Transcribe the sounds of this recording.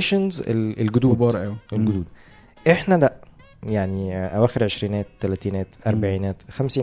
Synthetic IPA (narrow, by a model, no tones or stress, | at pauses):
ʃænzḛlelɡod̪uːbɑːɾˤʔæwiʔelɡod̪uːd̪̚ | ʔeħnælæʔ | jaʕniʔæwæːxeɾʕeʃɾiːnæːt̪ːælæt̪iːnæːt̪ʔɑɾˤbaʕiːnæːt̪xæmsiː